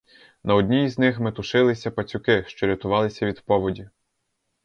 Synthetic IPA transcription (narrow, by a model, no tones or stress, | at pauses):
nɐɔd̪ʲnʲijiznɪxmɪt̪ʊʃɪlˠɪsʲɐpɐt͡sʲʊkɪʃt͡ʃɔɾʲɐt̪ʊʋɑlˠɪsʲɐʋʲid̪pɔʋɔdʲi